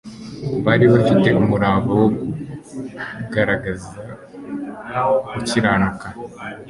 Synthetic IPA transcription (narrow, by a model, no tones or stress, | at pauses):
βaːɾiβafite̞umuɾaːβawoɡu | ɡaɾaɡaza | kuciɾanaka